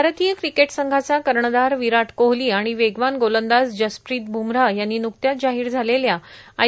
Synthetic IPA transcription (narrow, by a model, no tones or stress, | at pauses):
aɾət̪iːjəkɾikeʈsəŋɡʱat͡sakəɾɳəd̪aɾʋiɾaʈʰkoɦliːaɽ̃iʋeɡʋanɡolənd̪asd͡ʑəspɾiːt̪̚bʱumɾajanːiːnuk̚t̪jat̪̚d͡ʑaɦiːɾd͡zʱaleljaa